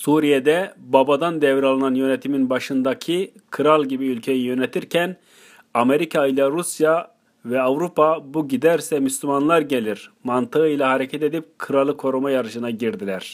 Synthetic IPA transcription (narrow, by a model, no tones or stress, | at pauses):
suɾijed̪ɛbabad̪and̪ɛvɾalˠɯnanjø̞net̪ʰiminbaʃɯnd̪acʰikʰɯɾalˠɟibiylʲcʰe̞jijø̞net̪ʰiɾcʰɛn | ame̞ɾikʰaɯjlˠaɾusja | vɛavɾupʰabuɟid̪æɾsɛmyslʲymanlˠaɾɟe̞lʲiɾmant̪ɯɯjlˠaɦaɾecʰɛt̪e̞d̪ip̚kʰɯɾalˠɯkʰo̞ɾumajaɾɯʃɯnaɟiɾd̪ilʲæɾ̝̥